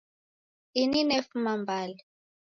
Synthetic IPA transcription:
ininefumambʱaːlɛ

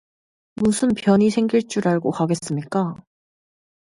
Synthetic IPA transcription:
musʰɯnpjʌɲisʰe̞ŋɡiɭt͡ɕ͈uɾaɭɡohaɡe̞s͈ɯmɲik͈a

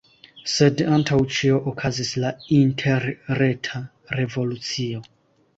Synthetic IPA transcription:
se̞dantʰawt͡ʃio̞ʔokʰazislaintʰe̞ɾɾe̞tʰa | ɾe̞vo̞lut͡sio̞

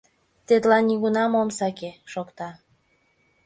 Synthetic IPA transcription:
t̪et̪lɑnːiɣunɑmomsɑkeʃokt̪ɑ

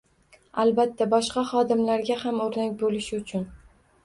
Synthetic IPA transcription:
albat̪ʰːabɒʃqɑχɒd̪ɪmlaɾɡʲahamoɾnak̚ʲbolɪʃɪʊt͡ʃʰʊn

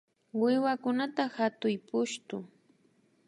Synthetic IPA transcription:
wɪwakʊnat̪ahat̪ʊjpʊʃt̪ʊ

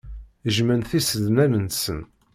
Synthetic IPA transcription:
əʒmænθisəðmæmənsən

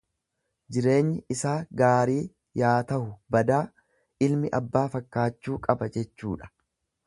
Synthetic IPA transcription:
d͡ʒɪɾe̞ːɲːɪʔɪsaːɡaːɾiː | jaːt̪ɐhʊbɐd̪aː | ɪlmɪʔɐbːaːfɐkːaːt͡ʃːuːkʼɐbɐd͡ʒɛt͡ʃːuːᶑɐ̥

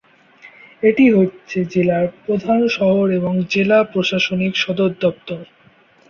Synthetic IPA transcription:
eʈiɦotːɕʰed͡ʑelaɾpɾod̪ʱanʃɔɦoɾeboŋd͡ʑelapɾoʃaʃonikʃɔd̪oɾɔp̚t̪oɾ

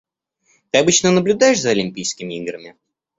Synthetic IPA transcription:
t̪ɨɐbɨt͡ɕnənəblʲʊd̪ajɪʂzəɐlʲɪmʲpʲijskʲɪmʲɪiɡɾəmʲɪ

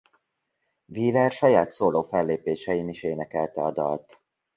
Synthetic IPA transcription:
viːlɛrʃɒjaːt̪soːloːfɛlːeːpeːʃɛjiniʃeːnɛkɛlt̪ɛɒd̪ɒ̰lt̪

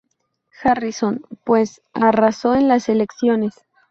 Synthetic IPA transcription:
xariso̞npwe̞s | araso̞enlase̞le̞ksjo̞ne̞s

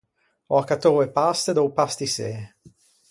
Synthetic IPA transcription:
ɔakat̪oɾepast̪ed̪owpast̪isḛː

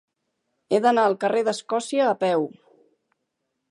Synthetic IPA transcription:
ed̪ənaəlˠkəreðəskɔsiəːpɛw

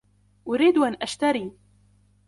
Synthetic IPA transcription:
ʔʊɾiːd̪ʔanʔaʃt̪aɾiː

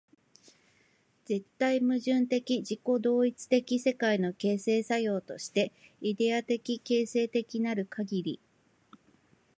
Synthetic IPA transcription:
d͡z̥e̞t̪ːaimɯ̟ʑɨ̃nt̪e̞kʲid͡ʑiko̞d̪o̞ːit͡sɨ̥t̪e̞kʲise̞kaino̞ke̞ːse̞ːsajo̞ːt̪o̞ɕi̥t̪e̞id̪e̞at̪e̞kʲike̞ːse̞ːt̪e̞kʲinaɾɯ̟kʰaɡʲiɾʲi

